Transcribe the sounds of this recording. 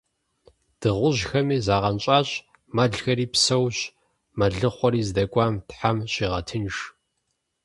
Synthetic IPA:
d̥ɨʁʷʊʑxɐmiːzaːʁɐnt͡ʃʼaːɕʼ | mɐɮxɐɾiːpsɐwɕ | mɐɮɨχʷɔɾiːzdɐkʷʼɑːmtħamɕiːʁɐtʰɨnʂ

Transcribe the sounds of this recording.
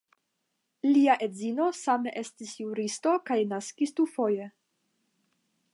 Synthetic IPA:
liaʔe̞zino̞sameʔe̞stisjuɾisto̞kajnaskistufo̞je

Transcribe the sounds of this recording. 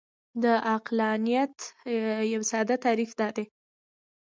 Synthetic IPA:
d̪əʔaqlɑnijat̪jawsɑd̪at̪ɑɾifd̪ɑd̪e

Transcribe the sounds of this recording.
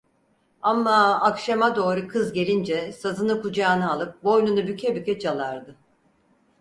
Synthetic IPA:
amːaːkʃamad̪o̞ːɾukʰɯzɟe̞lʲind͡ʒɛsazɯnɯkud͡ʒaːnɯalˠɯp̚bo̞jnunubycʰɛbycʲɛt͡ʃalˠaɾd̪ɯ

